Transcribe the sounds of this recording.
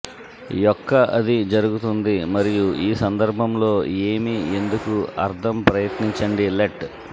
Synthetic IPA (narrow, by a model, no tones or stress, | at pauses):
jɔkːɐʔɐd̪id͡ʒɐɾuɡut̪und̪imɐɾijuiːsɐnd̪ɐɾbʱɐmlo̞ːe̞ːmiend̪ukuɐɾd̪ʰʱɐmpɾɐjɐt̪niɲt͡ʃɐɳɖileʈ